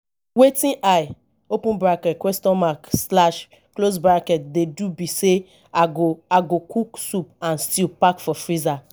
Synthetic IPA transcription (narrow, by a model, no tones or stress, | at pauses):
wetĩʔaj | opũnbɾakɛtkwɛstɔ̃nmakslaʃ | klos̬bɾakɛt̚dedubise | aɡoaɡokuksupãnstilpakfɔfɹiza